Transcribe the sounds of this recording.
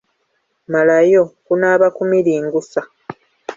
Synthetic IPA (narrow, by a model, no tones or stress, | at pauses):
malajokunaːβakumiɾiːŋɡusa